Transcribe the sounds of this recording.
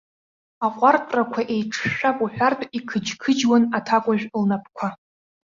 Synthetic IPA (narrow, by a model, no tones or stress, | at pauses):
aqʷʼartʼrakʷʰaʔe̞jʈ͡ʂʰʃᶣapʼuħʷᶣartʰʼikʰɨd͡ʒkʰɨd͡ʒwanatʰakʷʼʊʒᶣlnap̚ʰkʷʰa